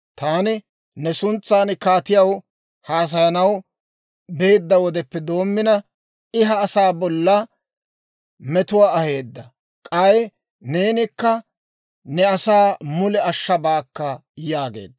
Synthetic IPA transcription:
t̪aːnɪ | nɛsʊnt͡sːaːnkaːt̪ɪjɐw | haːs̬ɐjɐnɐw | beːd̪ːɐwɔd̪ɛpːɛd̪o̞ːmːɪnɐ | ɪɦɐːsaːbɔlːɐ | mɛt̪ʊwaːɐhe̞ːd̪ːɐ | kʼɐj | neːnɪkːɐ | nɛɐsaːmʊlɛɐʃːɐbaːkːɐjaːɡe̞̰ːd̪ːɐ

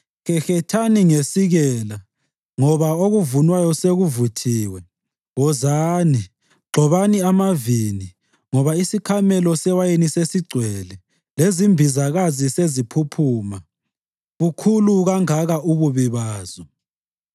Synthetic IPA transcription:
xɛxɛtʰaniŋesiɣɛla | ŋɔβaoɣuvunwajɔseɣuvutʰiːwɛ | ɣɔzaːni | ɡ͡ǃʱɔβaniamavini | ŋɔβaisikʰamɛlɔsɛwajenisesiɡ͡ǀʱwɛlɛ | lezimbʱizaɣazisezipʰupʰuːma | ɣukʰuluɣaŋaɣaʔuβuβiβaːzɔ

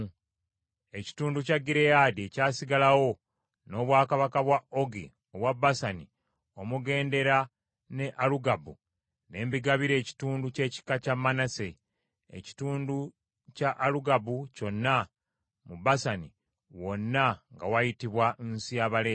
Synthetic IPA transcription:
e̞ci̥tuːnducaɡiɾejaːdie̞caːsiɡalawo̞ | no̞ːβwaːkaβakaβwao̞ɡi | oβwabːasani | o̞muɡe̞ːnde̞ɾa | ne̞ʔaluɡabu | ne̞ːmbiɡaβiɾe̞ːci̥tuːnduce̞ːci̥kacamːanase | ḛci̥tuːndu | caʔːluɡabuco̞nːa | mubasani | wo̞nːaŋɡawajitiβwansijaβale

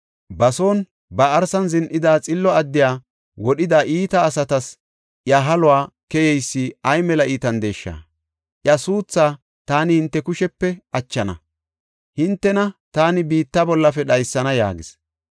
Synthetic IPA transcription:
bɐso̞ːn | bɐːɾsɐnzɪnʔɪd̪aːt͡sʼɪlːɔɐd̪ːɪjaː | wɔɗɪd̪aːʔiːt̪ɐːsɐt̪ɐs | ʔjaɦɐlʊwaː | kɛjɛjsːɪɐjmɛlɐʔiːt̪ɐnd̪e̞ːʃːa̰ː | ʔjɐsuːt͡sːaː | t̪aːnɪhɪnt̪ːɛkʊʃɛpːɛʔɐt͡ʃːɐnɐ | hɪnt̪ːɛnɐt̪aːnɪbiːt̪ːɐbɔlːɐfɛɗɐjsːɐnɐja̰ːɡɪs

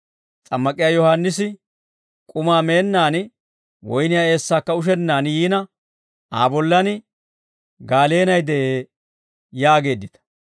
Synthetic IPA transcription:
t͡sʼɐmːɐkʼɪjaːjɔhanːɪsɪ | kʼʊmaːme̞ːnːaːnɪ | wɔjnɪjaːe̞ːsːaːkːɐʊʃ̬ɛnːaːnjiːnɐ | aːbɔlːɐnɪ | ɡaːle̞ːnɐjd̪ɛʔeː | jaːɡe̞ːd̪ːɪt̪ɐ̥

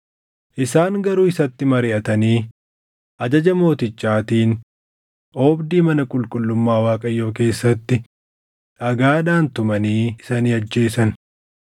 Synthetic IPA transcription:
ʔɪsaːŋɡɐɾuːɪsɐt̪ːɪmɐɾɪʔɐt̪ɐniː | ʔɐd͡ʒɐd͡ʒɐmo̞ːt̪ɪt͡ʃːaːt̪iːn | ʔoːbd̪iːmɐnɐkʼʊlkʼʊlːʊmːaːwaːkʼɐjo̞ːke̞ːsːɐt̪ːɪ | ʔɐɡaːᶑaːnt̪ʊmɐniːɪsɐniːɐd͡ʒːe̞ːsɐn

